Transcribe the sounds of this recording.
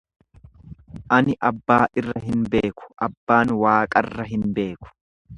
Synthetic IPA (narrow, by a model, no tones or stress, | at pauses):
ʔɐnɪʔɐbːaːʔɪrːɐɦɪnbe̞ːkʊ̥ʔɐbːaːnwaːkʼɐrːɐɦɪnbe̞ːkʊ̥